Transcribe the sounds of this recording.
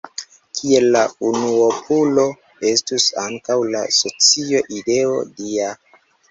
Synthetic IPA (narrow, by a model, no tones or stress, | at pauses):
kʰie̞lːaunuopʰulo̞ | e̞stusaŋkawla̰so̞t͡sio̞ʔide̞o̞̰dia